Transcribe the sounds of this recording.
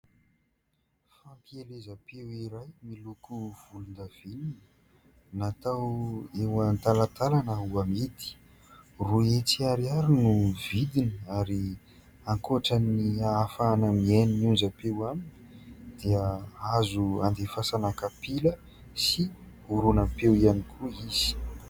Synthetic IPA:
fampielezəpewiɾajmilukuv̥ulund̪av̥inin | nat̪awewant̪alat̪alanəuamed̪i̥ | ruet͡siaɾiaɾinuvid̪inaɾi | aŋkoaʈ͡ʂaniaafaːnəmieniniund͡ʒəpewaminid̪̥iəazuand̪efasanakapilə | si | uɾunapewianikʰuiz̥i̥

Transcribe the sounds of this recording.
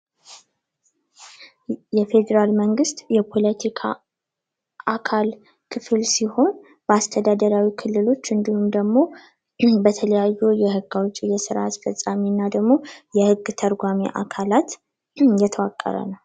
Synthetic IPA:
jɛfe̞d̪əɾalməŋɡɨst̪jɛpʰo̞lət̪ʰikʰa̰ | ʔakʰal | kʰɨfɨlsiho̞n | b̥əast̪ʰəd̪ad̪əɾawikʰɨlːɨlo̞t͡ʃːɨnd̪ihumd̪əɡmo̞ | bət̪ʰələjajːujɛɦɨɡːawt͡ʃʼːijɛsɨɾa̰asfəsʼaminːad̪əɡmo̞jɛhɨɡːt̪ʰəɾɡʷamḭʔa̰kʰalat̪ | jɛt̪ʰəwakʼːə̰ɾə̰nəw

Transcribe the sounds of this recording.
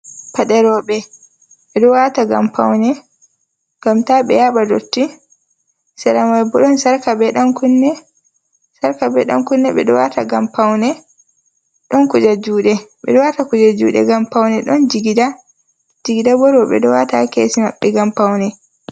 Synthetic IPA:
paɗɛɾɔɓɛ | ɓɛɗɔwataɡa̰mpa̰wnɛ | ɡamtaɓɛ̰jaɓado̰tːi | sɛɗamajbɔɗɔnsaɾkabɛɗankunːɛ | saɾkabɛɗɔ̰nkunːɛɓɛɗɔwataɡampawnɛ | ɗɔnkud͡ʒad͡ʒuːɗɛɓɛɗɔwatakud͡ʒad͡ʒuːɗɛ̰ɡampawnɛɗɔnd͡ʒiɡida | d͡ʒiɡidabɔɾɔɓɛ̰ɗɔwatakeːsima̰ɓːɛɡampawnɛ

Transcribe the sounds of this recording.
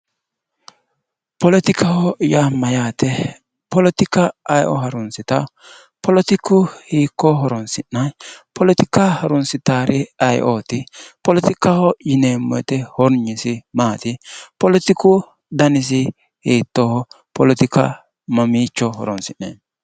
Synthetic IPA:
pɔlɔt̪ɪkʰɐhɔjamːɐjaːt̪ɛ | pɔlɔt̪ɪkɐːjʔɔ̰ɦɐɾʊnsɪt̪ɐ | pʰɔlɔt̪ɪkːʊhiːkːɔɦɔɾɔnsɪnːɐnpʰɔlɔt̪ɪkːɐhɐɾʊnsɪt̪aːɾʔɪɐjʔoːt̪ɪpɔlɔt̪ɪkːɐhɔjɪneːmːɔ̰jt̪ɛhɔɾɲɪsɪmaːt̪ɪpɔlɔt̪ɪkʊ | d̪ɐnɪs̬ɪ | hiːt̪ːɔhɔ | pɔlɔt̪ɪkɐ̰ | mɐmiːt͡ʃːɔhɔ̰ɾɔnsɪnːḛːn

